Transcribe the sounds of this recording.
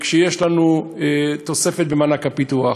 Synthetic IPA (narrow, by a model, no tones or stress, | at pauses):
kʃejeʃlanuet̪o̞se̞fet̪̚bemanakapit̪ua